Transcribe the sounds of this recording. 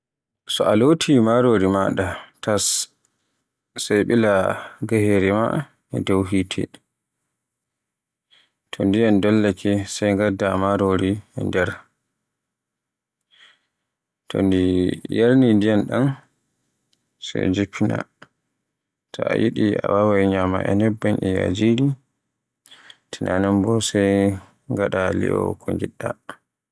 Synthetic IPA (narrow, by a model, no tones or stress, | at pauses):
sɔalotʰimaɾoɾima̰ɗatʰas | ajɓilaɡaheɾima̰ | ɛ̰dowɦiːtʰɛ̰ | tʰɔndijandɔlːakʰɛsajŋɡadːamaɾoɾindɛɾ | tʰɔ̰ndijaɾnindijanɗan | sajd͡ʒupʰːina̰ | tʰɔa̰jʔiɗiawawajɲama̰ʔɛnɛbːanʔɛja̰d͡ʒili | tʰinanɛmbɔsaj | ŋɡaɗalḭʔɔkʰɔŋɡiɗːa